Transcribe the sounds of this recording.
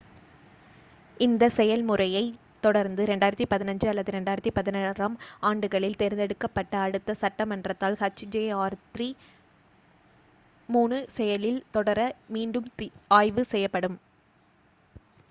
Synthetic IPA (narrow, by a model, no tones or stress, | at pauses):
ɪnd̪ɐsɛjɐlmɯrɐjɐɪ | t̪ːɔɽɐɾnd̪ɯɾɛɳɖaːjɪɾɐt̪ːipɐðɪnɐɲd͡ʒɯɐlːɐðɯɾɛɳɖaːjɪɾɐt̪ːipɐðɪnɐɾɐmaːɳɖɯɣɐɭɪlt̪ɛɾɪnd̪ɛɽɯkːɐpːɐʈːɐːɽɯt̪ːɐsɐʈːɐmɐndrɐt̪ːaːlkɐt͡ʃːid͡ʒeːaːɾt̪ri | muːɳɯsɛjɐlɪlt̪ɔɽɐɾɐmiːɳɖɯmaːjʋɯsɛjːɐpːɐɽɯm